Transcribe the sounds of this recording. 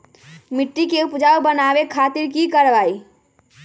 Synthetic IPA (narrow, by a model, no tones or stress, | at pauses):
miʈːikeupd͡ʒaubənabekʰat̪iɾkikəɾbai